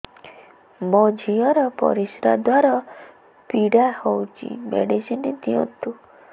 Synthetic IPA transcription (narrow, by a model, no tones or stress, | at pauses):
mɔd͡ʒʱijɔɾɔpɔ̰ɾisɾad̪waɾɔ | piɽahowt͡ʃʰḭmḛɽisinid̪iɔ̰̃nt̪u